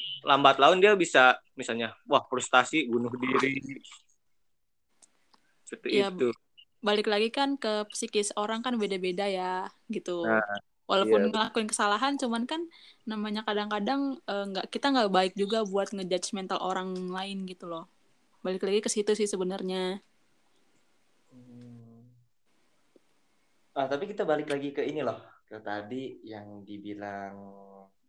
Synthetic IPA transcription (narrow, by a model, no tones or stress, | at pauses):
lambat̪laʊndiabisamisalɲawahpɾust̪asibunʊhdiɾi | sət̪ujiat̪u | balɪklaɡikankəpə̥sikɪsoɾaŋkanbedabedajaɡit̪u | wʔalaʊnŋəlakuɪnkə̥salaɦant͡ʃumankanːamaɲakadaŋkadaŋəːŋɡaʔkit̪aŋɡaʔbaɪk̚d͡ʒuɡabuat̪̚ŋəd͡ʒad͡ʒsmɛnt̪alʔoɾaŋlaɪnɡit̪ulɔh | balɪklaɡikəsit̪usɪhsəbənərɲa | əht̪apikit̪abalɪklaɡikəinilɔhkət̪adijaŋdibilaŋ